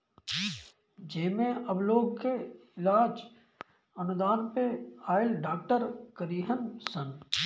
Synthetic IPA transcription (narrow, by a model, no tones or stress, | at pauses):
d͡ʒeːmẽʔɐbloːɡkeɪlaːd͡ʒ | ɐnʊd̪aːnpeaːɪlɖaːk̚ʈəɾkəɾiːɦənsə̃n